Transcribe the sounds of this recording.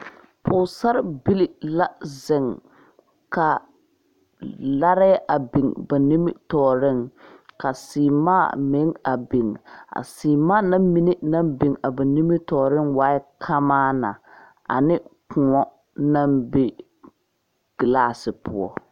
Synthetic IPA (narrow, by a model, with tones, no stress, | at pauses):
pʰʊ˨sa˦ɾɪ˦bi˦lɪ˦la˦zɪ˨ŋ | ka˨ | la˦ɾɪ˦ʔa˨bɪ˨ŋba˨ni˦mɪ̰˦tɔː˨ɾɪ˦˨ŋka˨siː˨maː˦˨mɪ˨˦ŋa̰˨bɪ˨ŋa̰˨siː˨maː˦na˦mmi˦nɪ˦na˦mbɪ˨ŋa˨ba˨ni˦mɪ˦tɔː˨ɾɪ˦ŋwaː˦ɪ˦kʰa˦maː˦na̰˨ | a̰˨nɪ˦kʊ˨ɔ˦ | na˦mbe˦ | ɡ̥ɪ˨laː˦˨sɪ˨pʊ̰˦˨ɔ̰˦˨